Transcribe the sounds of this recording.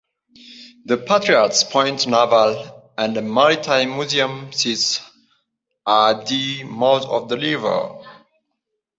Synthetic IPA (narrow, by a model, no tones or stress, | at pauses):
ðəpʰatɹiatspʰɔ̃ɪ̃ntnavəl | æ̃ndəmaɹitʰãɪ̃mːuziə̃msits | aðimodɔ̰vdəlivə̰˞